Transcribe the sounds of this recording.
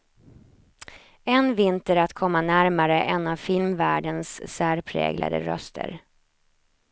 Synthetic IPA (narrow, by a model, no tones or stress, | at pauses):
ɛnvɪnt̪əɾat̪kʰɔmːanæɾmaɾəʔɛnavfɪlmvæːɖənsːæːɾpʰɾɛ̰ːɡlʔa̰d̪ə̰ɾœ̰st̪ʰə̰ɾ